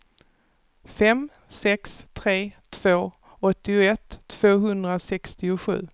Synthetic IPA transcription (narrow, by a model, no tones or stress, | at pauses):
fɛm | sɛkst̪ʰɾeːt̪ʰv̥oː | ɔt̪ːɪʊɛt̪ʰːv̥oːɦɵnd̪ɾasɛkst̪ɪʊɧʉ̟̰ː